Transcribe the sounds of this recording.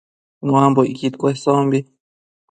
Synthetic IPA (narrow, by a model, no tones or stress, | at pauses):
nũambojkit̪kʷesombi